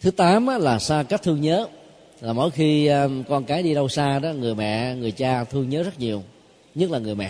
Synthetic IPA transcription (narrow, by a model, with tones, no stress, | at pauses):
t̪ʰɨ˨˦t̪aː˨˦mʔaː˨˦laː˨˩saː˧ka˦˥k̚t̪ʰɨ˧əŋɲəː˨˦ | laː˨˩mo̰˧˥˦jxi˧kɔ˧nkaː˨˦jɗi˧ɗə˧wsaː˧ɗɔ˨˦ŋɨ˨˩əjmɛ̰˧˨ŋɨ˨˩əjt͡ɕaː˧t̪ʰɨ˧əŋɲəː˨˦zə˦˥t̚ɲi˨˩əw | ɲɨ˦˥t̚laː˨˩ŋɨ˨˩əjmɛ̰˧˨